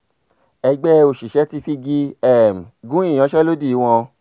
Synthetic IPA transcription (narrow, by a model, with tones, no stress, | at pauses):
ɛ˧ɡ͡bɛ˦o˨ʃi˨ʃɛ˨˦ti˧fi˧ɡi˦ɛ˦˨m˨ɡũ˦ĩ˦˨ɔ̃˨˦ʃɛ˦lo˦di˦˨i˨˦w̃ɔ̃˧